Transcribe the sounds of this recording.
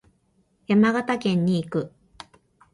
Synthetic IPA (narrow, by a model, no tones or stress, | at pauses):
jamaɡat̪akẽ̞ɲ̟ːiːkɯ̟